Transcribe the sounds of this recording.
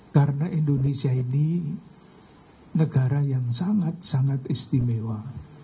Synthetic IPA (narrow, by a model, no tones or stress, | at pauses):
kaɾənaʔind̪onesiaini | nəɡ̥aɾajaŋsaŋat̪̚saŋat̪ist̪imewa